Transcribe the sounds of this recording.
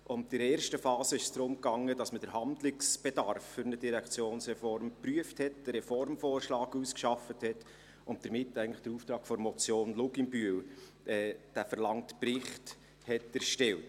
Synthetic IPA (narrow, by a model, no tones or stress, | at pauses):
ʔʊndɪɾeːɾʃtəfɑːsəɪʃsd̥ɾʊmkɑŋːəd̥ɑsməd̥əɾɦɑndlɪksb̥edɑrfːʏɾnəd̥iɾækt͡sjoːnsɾɛfɔɾmpryəfthɛtd̥əɾɛfɔɾmfoːrʃlɑːɡuskʃɑfəthɛt | ʊntd̥̪əɾmɪtːæɪəŋ̩ntləχd̥əɾuːftɾɑːkfɔɾmɔt͡sjoːnlʊɡɪmbyəl | ʔɛːd̥æfəɾlɑŋtpɾɪχt | hɛtæɾʃtɛlt